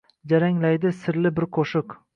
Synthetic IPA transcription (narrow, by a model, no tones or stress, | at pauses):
d͡ʒaɾaŋlajd̪ɪsɪɾlɪbɪɾqʰoʃʊq